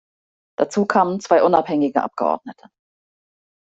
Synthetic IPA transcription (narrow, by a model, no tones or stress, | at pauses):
d̥at͡suːkʰaːmənt͡sv̥aɪʔʊna̰phɛŋɪɡəʔa̰p̚ɡ̥əʔɔ̰ɐdnətʰə̥